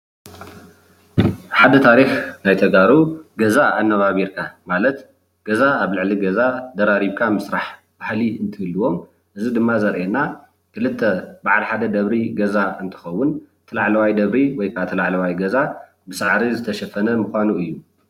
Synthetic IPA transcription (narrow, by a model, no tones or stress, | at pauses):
ħad̪ɐt̪ʰaɾixnajt̪ʰɐɡaɾuɡɐzaːnːɐβaβiɾkʰamalɐt̪ | ɡ̥ɐzaaβlɨʕliɡɐzad̪ɐɾaɾiβkʰamɨsɾaħ | b̥ahliɨnt̪ʰɨɨlːɨwo̞m | ʔɨzid̪ɨmːazɐɾʔena | kʰɨlɨt̪ʰːɐbaʕalħad̪ɐd̪ɐβɾiɡɐzaɨnt̪ʰɨ̥xɐwːʊnt̪ʰɐlaʕlɐwajd̪ɐβɾiwɔjkʰat̪ʰɐlaʕlɐwajɡɐza | bɨsaʕɾizɨt̪ʰɐʃɐfɐnɐmɨxʷanuɨjːu